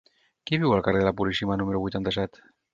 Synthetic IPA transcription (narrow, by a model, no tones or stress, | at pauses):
kiβiwəlˠkareðəlapulisimanuməɾuβujt̪ant̪əsɛt̪